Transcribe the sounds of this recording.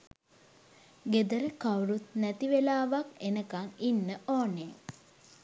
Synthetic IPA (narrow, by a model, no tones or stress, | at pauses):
ɡed̪əɾəkawɾut̪næt̪iʋelaːʋakenəkaŋinːəʔoːneŋ